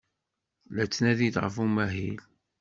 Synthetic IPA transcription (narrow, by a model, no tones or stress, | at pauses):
læt͡sːnæðid̪ʁəfumæɦil